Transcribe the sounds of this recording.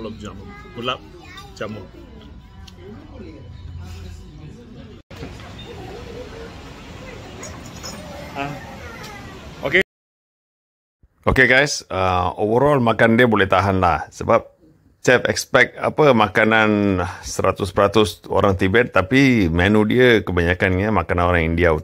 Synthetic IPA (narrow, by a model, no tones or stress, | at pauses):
lɔd͡ʒammulap̚ | t͡ʃamɔ | a | oke | okeɡajsəo̰vəɾɔlmakandiəbolɛht̪aɦanlahsəbap̚ | t͡ʃɛfɛ̰kspɛk̚t̪a̰pəmakananasəɾa̰t̪ʊspəɾat̪ʊso̰ɾaŋt̪ibɛt̪ːapimɛnũdiəkəbaɲakanɲamakananoɾaŋindiau